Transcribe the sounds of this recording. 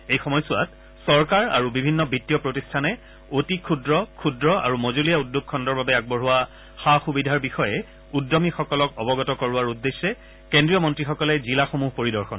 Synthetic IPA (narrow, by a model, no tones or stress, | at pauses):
ejxɔmɔjsʊat̚ | sɔɹkaɹa̰ɹubibʱinːɔbʱitːijɔpɹotistʰanɛ | otikʰudɹɔkʰudɹɔa̰ɹumozolijaudːok̚kʰːɔndɔɹbabɛaɡ̚bɔɹɦʊwa | xaxubidʱaɹbixɔjɛ | udːɔmixɔkɔlɔkɔbɔɡɔtɔkɔɹʊaɹudːesːɛ | kendɹijɔmɔntɹixɔkɔlɛzilaxomuɦpoɹidɔɹxɔn